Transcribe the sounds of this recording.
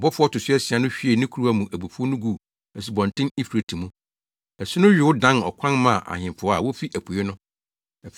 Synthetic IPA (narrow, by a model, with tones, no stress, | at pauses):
bɔ˦fʊ˦ɔ˦tʊ˨sʊ˦ɛ˦sɪ˨a˦nʊ̃˦ɕᶣi˦e˨nɪ̃˦kʰu˦ɾu˦a˦mũ˨ʔæ˨bu˨fu˦o˦nʊ̃˦ɡu˦˨ | ɛ˨si˨bɔ̃˨n˨tʰɪ̃˦ni˦fe˨tʰĩ˨mũ˦ | ɛ˨sɪ˦nʊ̃˦ɥᶣɪ˨wʊ˦dã˦nɔ̰˨kʷʰã˦nmã˦˨ʔa̰˨ɲɪ̃˨mfʊ˨ɔ˦a̰˨wo˦fi˦ʔæ˨pʰu˨je˦nʊ̃˦˨